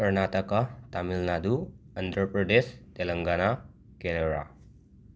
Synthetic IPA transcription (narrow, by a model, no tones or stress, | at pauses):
kəɾnat̪əkət̪amilnad̪u | ənd̪ɾəpɾəɖ̪est̪eləŋɡana | keneɾa̰